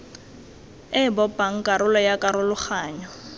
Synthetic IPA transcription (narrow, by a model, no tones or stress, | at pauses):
ɪbɔpaŋ̩kʼaɾʊlɔjakʼaɾʊlʊχaːɲɔ